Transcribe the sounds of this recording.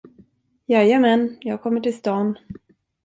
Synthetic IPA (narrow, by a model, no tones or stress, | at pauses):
jɑːjamɛnjɑːɡ̚kʰɔmːəʈɪlst̪ɑːn